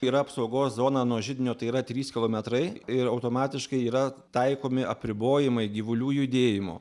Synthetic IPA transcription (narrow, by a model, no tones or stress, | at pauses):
iːɾɐɐpsɐʊɡoːszoːnɑːnuɔʒʲɪd̪ʲɪnʲoːt̪ɐɪiɾɐt̪ʲɾʲiːskʲɪlˠoːmʲɛt̪ɾɐɪɪɾɐʊt̪oːmɑːt̪ʲɪʃkɐɪiːɾɐt̪ɐɪkoːmʲɪʔɐpʲɾʲɪboːjɪmɐɪɡʲiːʋʊlʲuːjʊɪd̪ʲeːjɪmo̰ː